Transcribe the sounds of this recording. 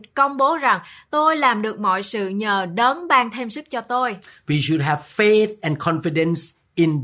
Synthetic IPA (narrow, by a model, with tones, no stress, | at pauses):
kə˧wŋ͡mɓo˨˦za˨˩ŋt̪o˧jlaː˨˩mɗɨ˨˩ək̚mɔ̰˧˨jsɨ̰˧˨ɲəː˨˩ɗə˨˦nɓaː˧ŋt̪ʰe˧msɨ˦˥k̚t͡ɕɔ˧t̪o˧jwi˨ʃʊ˨d̚ɦɛv̥fe˦θɛ̃˨nkʰɔ̃nfidə̃ns | ɪ̃n